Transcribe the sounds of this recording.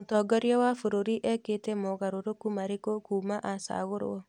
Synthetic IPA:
otɔɡɔɾjawafoɾoɾiʔɛketɛmoɣaɾoɾokumaɾekokumaʔasa̰ɣoɾo̰ɔ

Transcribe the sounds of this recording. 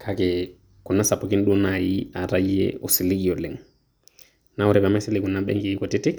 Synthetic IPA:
kʰakɛ | kunːasapokinɗunajiaɾajiɛ̰ɔsiliɡiɔlɛŋ | nawuɾɛbamasilikunːaɓɛ̰ŋɡiikɔtitik

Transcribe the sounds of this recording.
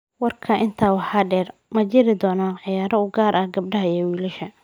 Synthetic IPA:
wɑrkʰɐʔɪnt̪ʰaːwɑħɑːɖɛːrmɐt͡ʃɪɾɪd̪ɔːnɐʕɪjaːɾɐʊɡaːɾʔɐhɡɐb̚ɖɐɦɐɛːwiːlɪʃɐ

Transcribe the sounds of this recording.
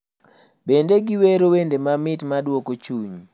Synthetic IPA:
bendeɡiweɾowendemamɪtmadwokot͡ʃuɲ

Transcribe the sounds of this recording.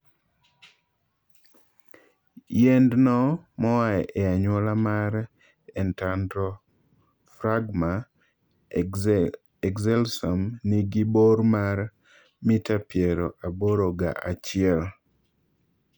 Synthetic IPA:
jɛndnɔmɔwaɛʔɛaɲwɔlamaɾ | ɛntandɾɔ | fɾaɡma | ɛɡzɛlsamniɡiboɾmar | mitapjɛɾɔʔaboɾoɡa̰ʔat͡ʃɪɛl

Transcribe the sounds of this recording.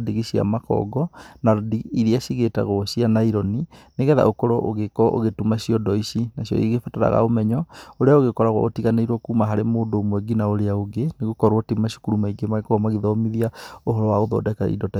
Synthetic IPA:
diɣiɕia̰makɔ̰ɡɔnadiiɾiaʃiɣeta̰ɣɔɕianaiɾɔnineɣɛða̰ʔokɔɾɔʔoɣekɔʔo̰ɣetumaɕiɔdɔisinaɕjɔ̰iiɣefataɾa̰ɣa̰omɛɲɔoɾeaoɣekɔɾaɣwa̰o̰tiɣaneiɾwɔkuːmaɦaɾemoːndoːmwɛɡinaoɾeaoɡeneɣokɔɾwɔtimaʃi̥kuɾumaiɡemaɣekɔɔmaɣiðɔmiðiaoɦɔɾɔwaoðɔ̰dɛka̰ḭdɔta

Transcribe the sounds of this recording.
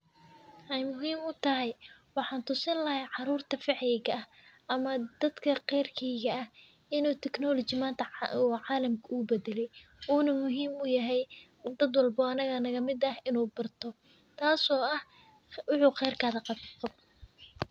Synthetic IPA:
ʔɛjmʊɦiːmʊt̪ʰɐɦɛjwɑħɑːnt̪ʰʊsɐnlɐhɛjʕɑɾuːrt̪ʰɐfɪʕjɪɣɐɐhʔɐmɐd̪̥ɐd̪kʰɐqɛjrkʰɛjɣɐɐh | ɪnuːt̪ʰɛknɔːlɔt͡ʃɪmaːnt̪ʰɐuːʕɑːlɐmkʰɐuːbɛd̪ɛlɛjuːnɐmʊɦiːmʊjɐɦɛj | d̪ɐd̪wɑlbɔːɐnɐɣɐnɐɣɐmɪd̪ɐhɪnuːbɐrt̪ʰɔ | t̪ʰaːsɔːɐh | wɑħuːqɛjrkʰaðɐqɑb

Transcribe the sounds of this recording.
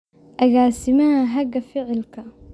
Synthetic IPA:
ʔɐɣaːsɪmɐhaɦɐɡɐfɪʕɪlkʰɐ

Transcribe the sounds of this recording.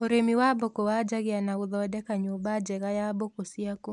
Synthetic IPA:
oɾemiwabɔkɔwad͡ʒaɣɪanauðɔdɛkaɲobad͡ʒɛɣajabɔkosiakɔ

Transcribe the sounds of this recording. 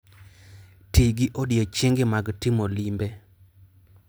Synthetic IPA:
tiɡɪʔodɪot͡ʃeŋɡɪmaɡtimolimbe

